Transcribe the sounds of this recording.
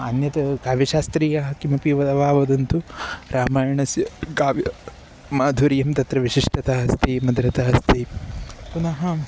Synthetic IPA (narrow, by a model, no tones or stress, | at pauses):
ɐnjɐt̪ɐkaːʋjɐʃaːst̪ɾiːjɐɦɐkimɐpiʋɐd̪ɐʋaːʋɐd̪ɐnt̪uɾʔaːmaːjɐɳɐsjɐkaːʋj | maːd̪ʱuɾijɐmt̪ɐt̪ɾɐʋiʃiʂʈʰɐt̪aːɦɐst̪ʰiːmɐd̪ɾɐt̪aɦɐst̪ʰiːpunɐɦɐ